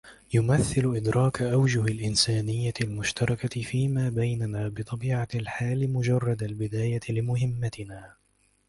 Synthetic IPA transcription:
jʊmaθːɪlʊʔɪd̪ɾʔɑːkaʔawd͡ʒʊɦalʔɪnsaːnɪjːat̪ɪlmʊʃt̪ɑɾˤɑkaɪfiːmaːbajnanaːbɨt̪ˤɑbiːʕalħaːlɪmʊd͡ʒɑrˤːɑd̪albɪd̪aːjaɪlɪmʊɦɪmːat̪ɪnaː

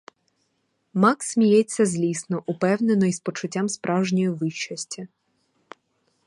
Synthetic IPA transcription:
mɑksʲmʲijɛt͡sʲːɐzʲlʲisnɔʔʊpɛwne̞nɔispɔt͡ʃʊtʲːamspɾʔɑwʒnʲɔjiʋɪʃt͡ʃɐsʲtʲɐ

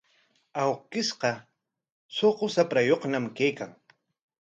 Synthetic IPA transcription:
awkɪsqɑ | soqosapɾajoχnamkajkaŋ

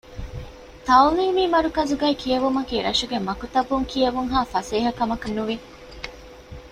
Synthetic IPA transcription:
t̪ɐwliːmiːmɐɾukɐzuɡæːkiɐʋumɐkiɾɐ̰ʃuɡemɐkut̪ɐbuŋkijɐʋuŋɦaːfɐseːɦɐkɐmɐkɐnːuʋi

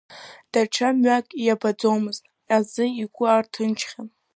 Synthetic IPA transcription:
d̥aʈ͡ʂʰamɥakʼijabad͡zowmɨztʼ | azɨiɡʷʼʊartʰɨnt͡ʃʰχʲan

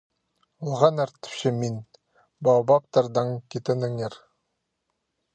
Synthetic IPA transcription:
ulˠʁɑnæɾt̪ɪ̥pɕɘmin | bɑwbɑp̚t̪ɑɾd̪ɑŋkʲet̪ɘ̆nɘ̆ŋeɾ

